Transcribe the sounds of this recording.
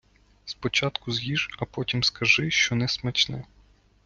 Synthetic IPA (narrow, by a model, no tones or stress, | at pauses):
spɔt͡ʃɑt̪kʊzjiʒɐpɔtʲimskɐʒɪʃt͡ʃɔnɛsmɛt͡ʃnɪ